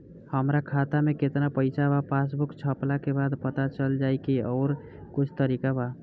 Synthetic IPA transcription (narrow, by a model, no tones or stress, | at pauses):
həmɾakʰat̪ameket̪napəɪsabapasbukt͡ʃʰəplakebad̪pət̪at͡ʃəld͡ʒajkiɔːɾ | kʊt͡ʃʰt̪əɾikaba